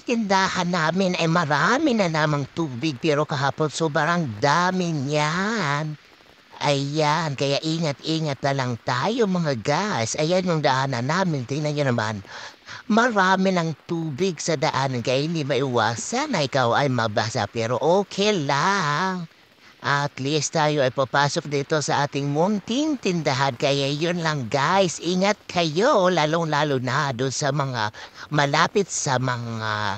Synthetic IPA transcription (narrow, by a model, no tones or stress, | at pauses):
k̪ɪnd̪aːhanːaːmɪnɐjmɐɾamɪnɐnaːmaŋt̪uːbɪɡ̚pɛːɾokɐɦaːponsobaɾaŋd̪aːmɪnjan | ʔɐjjankɐjaʔiːŋat̪̚iːŋat̪̚nɐlaŋt̪aːjomɐŋaɡasɐjanjʊŋd̪aʔanɐnaːmɪnt̪ɪnɐŋjonɐma̰nmɐɾaːmɪnɐŋt̪uːbɪɡsɐd̪ɐʔankɐjinimɐʔɪwaːsanːɐʔɪkawʔɐjmɐɡ̚basa̰pɛːɾo̞ʔoːkʰɛlaŋ | ʔat̪list̪aːjo̞ʔɐjpɐpaːsok̚nɐɪt̪o̞sɐʔaːt̪ɪŋmʊnt̪int̪ɪnd̪ɐɦankɐjajonlɐŋɡajsʔiŋat̪̚kʰɐjolaːloŋlaːlonad̪onsɐmɐŋamɐlaːpɪt̪̚sɐmɐŋa